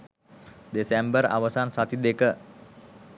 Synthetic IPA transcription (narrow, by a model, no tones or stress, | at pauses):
d̪esɛmbəɾa̰wasansat̪id̪ekə